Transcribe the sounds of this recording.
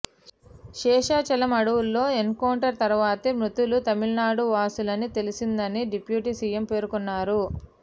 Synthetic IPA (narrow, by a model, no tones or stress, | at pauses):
ʃɛːʂaːt͡ʃɐlɐmɐɽuwulːo̞ːenkoːɳʈɐɾt̪ɐɾʋaːt̪emɾut̪ulut̪ɐmilnaːɽuʋaːsulɐnit̪e̞lisind̪ɐniɖipjuːʈisijempe̞ːɾukunːaːɾu